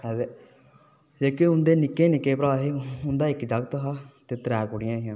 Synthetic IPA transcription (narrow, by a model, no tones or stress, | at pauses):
ɛbe | d͡ʒeːkeʊnd̪eːnɪkːeːnɪkːeːpɾaːeːʊnd̪aːɪkd͡ʒəɡt̪ɦaːt̪eːt̪ɾɛːkʊɽɪjãːɦɪjãː